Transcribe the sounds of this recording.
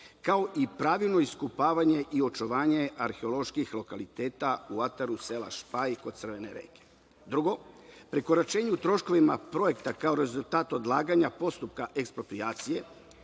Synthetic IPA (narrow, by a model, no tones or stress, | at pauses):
kao̞ʔipɾaːʋilˠno̞iskupaːʋaɲe̞ʔio̞t͡ʃoʋaːɲe̞aɾxeo̞lo̞ʃkixlˠo̞kalit̪e̞ːt̪auat̪aɾuse̞la̰ʃpaiko̞d̪t̪sr̩ʋe̞ne̞ɾḛːke | d̪ɾuɡo̞pɾiko̞ɾat͡ʃe̞ːɲut̪ɾo̞ʃko̞ʋimapɾo̞je̞kt̪akao̞ɾe̞zulˠt̪aːt̪o̞d̪laːɡaɲapo̞st̪up̚kaʔe̞kspɾo̞pɾiaːt̪sije̞